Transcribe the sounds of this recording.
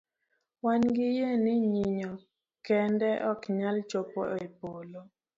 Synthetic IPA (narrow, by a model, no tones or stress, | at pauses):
wanɡɪjenɪɲiɲɔ | kɛndɛʔɔkɲalt͡ʃopɔepolo